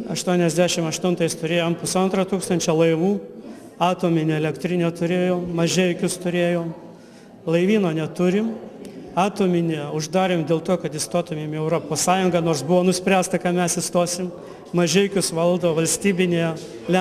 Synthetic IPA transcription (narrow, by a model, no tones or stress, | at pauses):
ɐʃt̪uɔnʲɛzʲd̪ʲæːʃʲɪmɐʃt̪ʊnt̪ɐɪst̪ʊɾʲeːjoːmpʊsɐnt̪ɾɐt̪uːkst̪ɐnʲt͡ʃʲɛlˠɐɪʋuː | ɑːt̪oːmʲɪnʲɪɛlʲɛkt̪ʲɾʲɪnʲet̪ʊɾʲeːjoːmmɐʒʲɛɪkʲʊst̪ʊɾʲeːjoːm | lˠɐɪʋʲiːnoːnʲɛt̪ʊɾʲɪmɑːt̪oːmʲɪnʲɪʊʒd̪ɑːɾʲeːmd̪ʲeːlˠt̪oːkɐt̪ɪst̪oːt̪ʊmʲeːmɛʊɾoːpoːssɑːjʊŋɡɐnoːrsbʊʋoːnʊsʲpʲɾʲæːst̪ɐkɑmʲɛsɪst̪oːsʲɪm | mɐʒʲɛɪkʲʊsʋɐlˠd̪oːʋɐlʲsʲt̪ʲiːbʲɪnʲejɛ | lʲɛ